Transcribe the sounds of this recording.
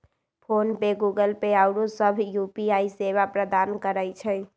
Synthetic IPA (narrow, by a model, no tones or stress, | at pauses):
pʰonbeɡuɡəlpeaʊɽusəbʱjupiaiseβapɾəd̪ankəɾəjt͡ʃʰə